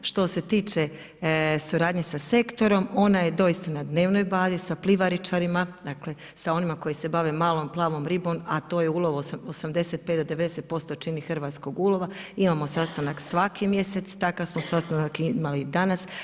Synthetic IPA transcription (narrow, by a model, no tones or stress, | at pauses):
ʃt̪o̞se̞t̪iːt͡ʃe | suɾaːd̪ɲe̞sase̞kt̪o̞ɾo̞mo̞naje̞d̪o̞jist̪anad̪ne̞ːʋno̞jbaːzisaplˠiʋaɾit͡ʃaɾimad̪akle̞ | sao̞nimako̞jise̞baʋemaːlˠo̞mplˠaːʋo̞mɾibo̞mat̪o̞ːjeuːlˠo̞ʋusosamd̪e̞se̞t̪̚pet̪d̪od̪ee̞d̪ese̞t̪̚po̞st̪o̞t͡ʃinixr̩ʋaːt̪sko̞ɡuːlo̞ʋaimaːmo̞sast̪anaksʋakʰimje̞set̪st̪akaʋsmosast̪anakimalid̪anas